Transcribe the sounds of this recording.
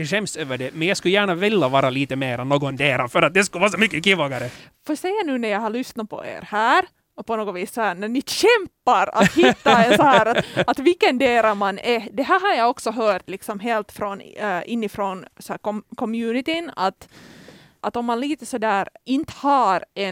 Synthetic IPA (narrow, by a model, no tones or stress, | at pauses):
d̪ɛɕɛmsøːvəɖɛmɛnjaːɡskljæːɳavɪlːavɑːɾaliːt̪əmeːɾɛnːoːɡɔnd̪eːɾafœɾat̪̚d̪ɛskɵlvɑːɾsɔmʏkːəkivɑːɡaɾə | foːsɛjːanʉ̟ːnæɾjɑɦaɭʏsnat̪̚pʰɔ̰ʔḛːɾhæːɾ | ɔpʰɔnoːɡɔviːsːɔhæːɳænɪɕɛmpːaɾa̰t̪hɪt̪ːaɛnsɔhæːɾat̪at̪vɪlkːənd̪eːɾamanɛd̪ɛɦæːɾɦaɾjɑɔksɔɦœːʈlɪksɔmɦeːlt̪fɾonɪnːɪfɾoːnsɔhæːkɔmkʰɔmjʉːnɪt̪ɪna̰t̪ | ʔat̪ɔmːanliːt̪əsɔd̪æːɾɪnt̪ə̥hɑɾɛ